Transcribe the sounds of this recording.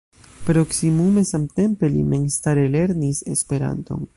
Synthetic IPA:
pɾo̞ksimume̞samt̪e̞mpe̞lḭmeŋst̪aɾele̞ɾnise̞̰spe̞ɾa̰nt̪o̞̰n

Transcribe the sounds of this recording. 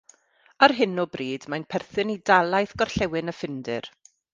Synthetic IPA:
arɦɪnɔbriːdmajnpʰɛrθɨnidalˠajθɡ̥ɔr̥ɬɛwɪnəfɪndɪ̰r

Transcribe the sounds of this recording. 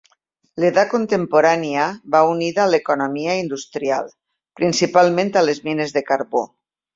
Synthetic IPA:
leðakont̪empoɾaniaβauniðaːlekonomiaind̪ust̪ɾia̰lˠ | pɾinsipalˠmẽnt̪alezminezðekaɾβo

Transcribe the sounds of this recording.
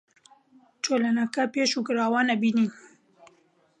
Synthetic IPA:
t͡ʃolanɐkɐpeːʃukɨɾaːwaːnɐbiːniːn

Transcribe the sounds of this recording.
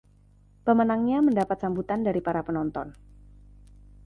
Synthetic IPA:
pəmənaŋɲaməndapat̪̚sambut̪andaɾipaɾapənɔnt̪ɔn

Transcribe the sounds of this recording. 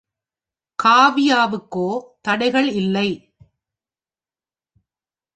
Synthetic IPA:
kaːʋɪjaːʋɯkːoːt̪ɐɽɐɪɣɐɭɪlːɐɪ

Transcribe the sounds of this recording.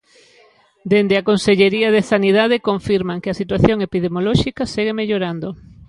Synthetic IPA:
d̪end̪eakonseʎeɾiɐð̞esaniðað̞ekoɱfiɾmaŋkeɐsit̪waθjoŋepið̞emolɔʃikaseɣ̞emeʎoɾand̪o

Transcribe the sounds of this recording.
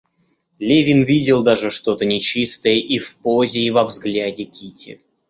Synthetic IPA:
lʲevʲinvʲidʲɪlˠd̪aʐɨʂt̪o̞t̪ənʲɪt͡ɕist̪əjəʔifpozʲɪːvɐvzɡlʲædʲɪkʲʰitʲʰɪ̰

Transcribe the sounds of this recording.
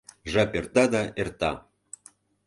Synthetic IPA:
ʐɑpert̪ɑd̪ɑʔert̪ɑ̰

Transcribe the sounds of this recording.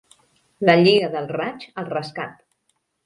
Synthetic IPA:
ləʎiəðəlˠrat͡ʃəlˠrəskat̪

